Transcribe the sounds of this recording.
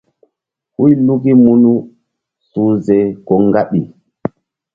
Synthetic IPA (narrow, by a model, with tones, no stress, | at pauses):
hu˦jlu˦ki˦mu˦nu˦ | su˨zɛ˨kɔ˨ŋɡa˦ɓi˨